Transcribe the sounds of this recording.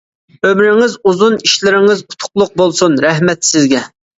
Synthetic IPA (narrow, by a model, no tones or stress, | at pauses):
ømɾɪŋɪzuzuniʃlɪɾɪŋɪzu̥t̪ʰʊ̥qlˠʊq̚bolˠsunɾɛɦmɛt̪sɪzɡʲɛ